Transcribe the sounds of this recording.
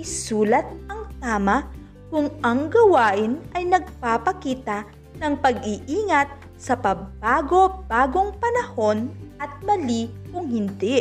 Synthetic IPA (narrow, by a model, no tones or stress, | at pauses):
suːlɐt̪̚ʔɐŋt̪aːmɐ | kʊŋʔɐŋɡɐwaːʔɪnʔɐjnɐɡ̚papɐkiːt̪ɐ | nɐŋpɐɡʔiʔiːŋɐt̪̚ | sɐpɐɡ̚baːɡo̞b̥aːɡo̞ŋpɐnɐho̞nʔɐt̪̚mɐlikʊŋhɪnd̪ɛ